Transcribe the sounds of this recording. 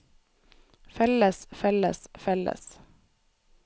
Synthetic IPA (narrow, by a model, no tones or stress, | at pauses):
fɛləsfɛlə̰sfɛlə̰s